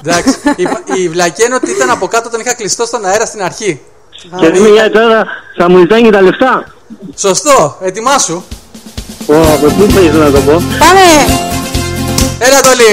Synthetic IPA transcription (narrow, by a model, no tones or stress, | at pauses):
d̪ɐksi̥iivlɐcenot̪iit̪ɐnɐpo̞kɐt̪oot̪ɐnixɐklist̪ost̪o̞nɐeɾɐst̪inɐɾçi | ceðimeɲɐet̪ɐðɐsɐmuit̪ɐɲit̪ɐle̞ft̪ɐ | so̞st̪o̞et̪imɐsu | oɐpot̪ifɐisɐnɐt̪opopame | elɐt̪oli